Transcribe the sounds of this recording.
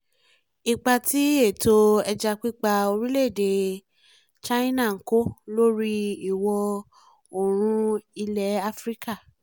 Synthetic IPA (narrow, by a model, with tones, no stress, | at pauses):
i˨k͡pa˧ti˦e˦˨to˧ɛ˧d͡ʒa˧k͡pi˦k͡pa˧o˧ɾi˦le˦˨de˨ | t͡ʃa˦i˦nã˦˨ŋ̩˨ko˦lo˦ɾi˦i˨wɔ˧ | o˨ɾ̃ũ˧i˧lɛ˨˦a˧fɾi˦ka˦˨